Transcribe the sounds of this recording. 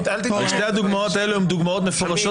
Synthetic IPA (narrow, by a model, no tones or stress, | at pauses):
aʃtejhad̪uɡmaot̪aeluumd̪uɡmaot̪mefoʁaʃo